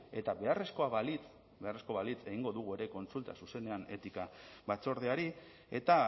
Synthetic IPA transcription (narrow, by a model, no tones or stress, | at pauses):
e̞t̪aβe̞are̞sko̞aβalit͡s | be̞are̞sko̞βalit͡se̞ɣiŋɡo̞ðuɣ̞ue̞ɾe̞ko̞nt͡sult̪a̰suse̞ne̞ane̞t̪ikaβat͡so̞ɾð̞eaɾi | e̞̰t̪a